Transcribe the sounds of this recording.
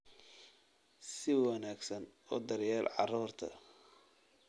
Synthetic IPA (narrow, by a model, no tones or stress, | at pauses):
sɪwɑnaːɡsɐnɔːd̪ɐrjaːlʕɑ̰ruːrt̪ʰɐ̰